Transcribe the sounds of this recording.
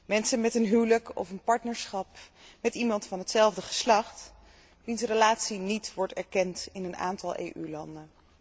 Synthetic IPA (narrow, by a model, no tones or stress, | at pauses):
mɛnsənmɛtənɦywləkɔ̰fənpɑɹtnəɹsχɑpmɛtimɑntfɑnɦətsɛlˠvdəχə̥slɑχt | ʋinsrəlaːtsinitʋɔɹtɛɹkɛntɪnəna̰ːntɑlˠʔḛjʔylɑndən